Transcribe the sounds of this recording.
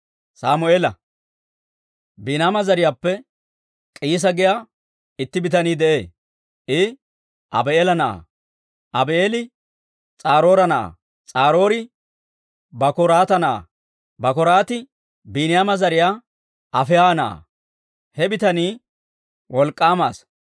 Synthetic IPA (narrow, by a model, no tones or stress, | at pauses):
saːmʊeːlɐ | biːnaːmɐzɐɾɪjaːpːɛ | kʼiːs̬ɐɡɪjaː | ɪt̪ːɪbɪt̪ɐniːd̪ɛʔeː | ʔɪ | ʔɐ̰beeːlɐnɐʔa̰ | ʔɐbeeːlɪ | t͡sʼaːɾo̞ːɾɐnɐʔa̰ | t͡sʼaːɾo̞ːɾɪ | bɐkɔɾaːt̪ɐnɐ̰ | bɐkɔɾaːt̪ɪ | biːnɪjaːmɐzɐɾɪjaː | ɐfɛjaːnɐʔa̰ | hɛbɪt̪ɐniː | wʔɔlkʼːaːmaːs